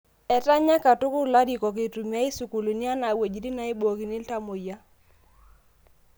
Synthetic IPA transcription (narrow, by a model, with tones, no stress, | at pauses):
ɛ˨ta˦ɲa˦ka˨tʊ˦kʊ˦ɾla˦di˨kɔ˨k̬e˨tu˨mja˦i˦su˨ku˨lu˨ni˦a˦na˨we˨d͡ʒi˨ɾi˦na˨˦i˦bo˨ki˨ni˦lta˦mo˨ja˦